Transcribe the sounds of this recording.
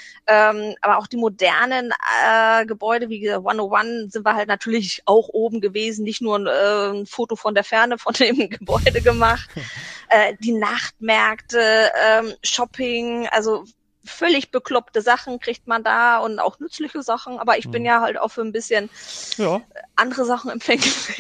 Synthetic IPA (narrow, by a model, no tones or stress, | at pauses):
ʔɛːmʔa̰ːbɐʔaʊxd̥iːmodɛ̰ɐnənɛːɡəbɔʏdəviːɡəzaːtwanowanzɪntviɐhaltnatʰyːɐlɪçʔaʊxʔoːbm̩ɡəveːzn̩nɪçtnuːɐnʔɛːnfoːtofɔndeːɐfɛɐnəfɔndeːmɡəbɔʏdəɡəmaχtʔɛːd̥iːnaχtmɛɐktəʔɛːmʃɔpʰɪŋʔa̰lzo | fœlɪçb̥əklɔptəzaχn̩kʁ̥ɪçtmandaːʊnta̰ʊxnʏt͡slɪçəzaχn̩ʔa̰ːbɐɪçb̥ɪnjaːɦalta̰ʊxfyːɐnbɪsçən | ʔandəʁəzaχn̩ɛmfɛŋɡ̥əfɛ